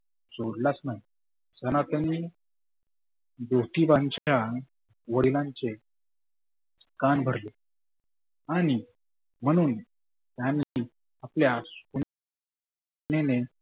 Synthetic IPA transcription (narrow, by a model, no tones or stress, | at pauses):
t͡soɾlasnaɦi | sənat̪əni | d̪owt̪iʋaɲt͡ɕa | ʋəɽilãɲt͡ɕe | skanbʱəɾle | aɽ̃i | m̤əɽ̃uːn | t̪jani | apljaskun | nene